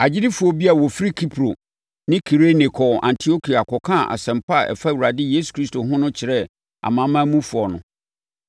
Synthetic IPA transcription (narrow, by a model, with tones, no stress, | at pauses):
a˨d͡ʑɪ˦dɪ˦fu˨ɔ˦bi˦a˨wɔ˨fi˦ɾi˦kʰi˦pʰɾo˨ | nɪ̃˦kʰi˨ɾe˦nɪ˨kʰɔ˨ʔã̰˨ntʰi˨o˦kʰi˨a˨kʰɔ˨kʰã˦˨ʔa̰˨sɛ̃˨mpa˦˨ɛ̰˨fa˦wu˨ɾa˨dɪ˦je˦s̬u̥˨kʰɾi˦stʰo˨ɦʊ̃˦nʊ̃˦t͡ɕʰɪ˨ɾɛ˦ | a̰˨mã˨˦mã˦mũ˦fu˨ɔ˨nʊ̃˨